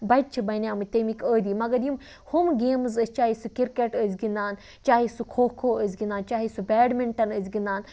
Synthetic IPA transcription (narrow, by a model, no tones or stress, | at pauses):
bɐt̚t͡ʃʰibɐnʲjaːmɨt̪emikəːd̪iːmɐɡɐɾjim | humɡeːmzəsʲt͡ʃaːisukiɾkeʈəzʲɡind̪aːn | t͡ʃaːɦisukʰoːkʰoːəzʲɡind̪aːnt͡ʃaːɦisubʲɛːɖmiɳʈɐnəzɡind̪aːn